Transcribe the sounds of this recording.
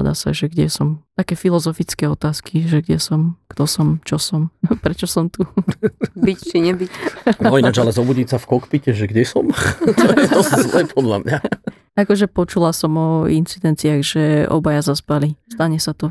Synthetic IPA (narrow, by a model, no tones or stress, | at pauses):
d̪a̰sa̰ʒɛɡɟɛsɔmt̪akɛːfilɔzɔfit͡skɛːɔt̪aːskʰiʒɛɡɟɛsɔmkt̪ɔsɔmt͡ʃɔsɔmpɾɛt͡ʃɔsɔmt̪u | bict͡ʃiɲɛbiɔinad͡ʒalɛzɔbuɟicsafkɔkpicɛʒɛɡɟɛsɔmɔɛɔzlɛpʰɔd̪la̰mɲa | akɔʒɛpɔt͡ʃulasɔmɔint͡sid̪ɛnt͡siaɣʒɛʔɔ̰bajazaspalist̪aɲɛsat̪ɔ